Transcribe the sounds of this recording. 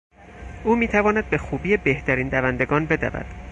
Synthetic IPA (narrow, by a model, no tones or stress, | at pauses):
ʔuːmiːt̪ʰævɒːnæd̪̚be̞xuːbiːebe̞ht̪ʰæɾiːnd̪ævænd̪e̞ɡɒːnbe̞d̪æ̰væ̰d̪̥